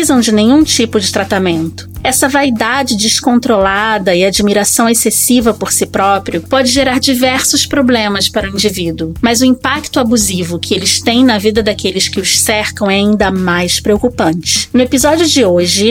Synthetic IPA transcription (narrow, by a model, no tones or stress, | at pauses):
izɐ̃w̃d͡ʒɪnẽɲ̃ũt͡ʃipʊd͡ʒɪt̪ɾat̪amẽnt̪ʊ̥ɛsɐvaid̪ad͡ʒɪd͡ʒɪskõnt̪ɾolad̪ɐɪad͡ʒimiɾasɐ̃w̃esesivɐpoɾsɪpɾɔpɾiʊpɔd͡ʒɪʒeɾaɾd͡ʒivɛɾsʊspɾoblẽmɐspaɾʊĩnd͡ʒivid̪uʊmɐzʊĩpakt̪ʊabuzivʊkʰɪelɪʃt̪ẽj̃nɐvid̪ɐd̪akelɪskɪʊʃsɛɾkɐ̃w̃ɛaĩnd̪ɐmajspɾeokupɐ̃nt͡ʃɪ̥nʊepizɔd͡ʒjʊd͡ʒɪoʒɪ